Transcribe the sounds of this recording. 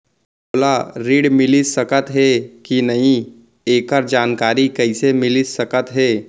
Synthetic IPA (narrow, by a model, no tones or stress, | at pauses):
oːlaɾiːɽmɪlisɐkət̪ɦɛkinɐɦĩ | eːkəɾd͡ʒaːnkaːɾikɐɪsemɪlisɐkət̪ɦɛː